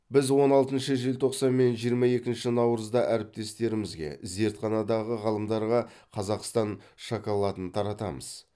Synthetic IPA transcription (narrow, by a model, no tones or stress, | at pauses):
bɪzwo̞nɑlˠt̪ənʃəʒelt̪ʰo̞qsɑnme̞nʒijəɾmɑje̞kʲɪnʃɪnɑwɾəzd̪ɑʔæɾɪp̚t̪e̞st̪e̞ɾɪmɪzɡʲe̞̰ze̞ɾt̪χɑnɑd̪ɑʁəʁɑlˠəmd̪ɑɾʁɑ | qʰɑzɑqst̪ɑn | ʃɑkɑlˠɑt̪ənt̪ʰɑɾɑt̪ɑmə̰z̥